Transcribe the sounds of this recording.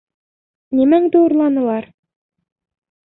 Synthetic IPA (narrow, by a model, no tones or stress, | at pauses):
nimæŋd̪ɘuɾlˠɑnɤ̆lˠɑɾ